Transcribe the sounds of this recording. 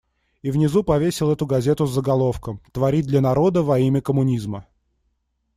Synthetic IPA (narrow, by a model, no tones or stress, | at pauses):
ivnʲɪzupɐvʲesʲɪlˠɛt̪ʊɡɐzʲe̞t̪ʊzːəɡɐlˠo̞fkəmt̪vɐɾʲid̪lʲɐnɐɾo̞d̪əvɐimʲɪkəmʊnʲizmə